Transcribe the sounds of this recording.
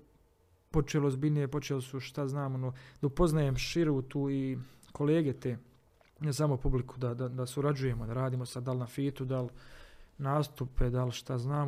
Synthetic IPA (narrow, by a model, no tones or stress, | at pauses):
po̞t͡ʃelozbinijepo̞t͡ʃelsuʃt̪aznaːmonod̪̥aupo̞znajemʃiɾut̪uːikʰo̞leːɡe̞t̪eː | nesaːmopublikʰu̥d̪ad̪ad̪asuɾad͡ʑuje̞mod̪aɾaːd̪iːmo̞sad̪d̪alnafiːt̪ud̪al | naːst̪uped̪alʃt̪aznaːm